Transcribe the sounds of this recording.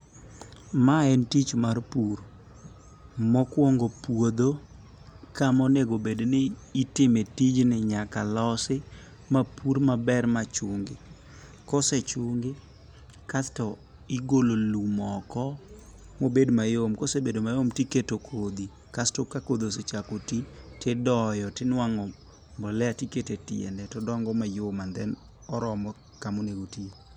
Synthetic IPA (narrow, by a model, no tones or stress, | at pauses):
maɛntit͡ʃmarpuɾ | mɔkwɔŋɡopwod̪o | kamɔneɡobednɪːtɪmetid͡ʒnɪɲakalɔsɪ | mapuɾmabɛrmat͡ʃʊŋɡɪ | kɔset͡ʃʊŋɡɪ | kastɔ | ɪɡololumɔkɔ | mobedmajomkosebedomajomtiketokʰod̪i | kastokakod̪oset͡ʃakotitɪdɔjɔtɪnwaŋɔ | mbɔlɛatiketetɪ̰ɛ̰ndɛtɔdɔŋɡɔmajomand̪ɛn | ɔɾɔmɔ | kamoneɡotie